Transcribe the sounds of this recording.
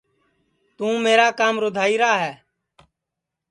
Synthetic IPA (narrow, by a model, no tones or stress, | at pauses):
t̪ũːmeːɾaːkaːmɾoːd̪ʱaːiːɾaːɦɛː